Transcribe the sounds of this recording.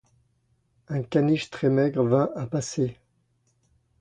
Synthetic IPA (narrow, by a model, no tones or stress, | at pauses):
ɛ̃kʲaniʃt̪χɛmɛɡʁvɛ̃ʔapase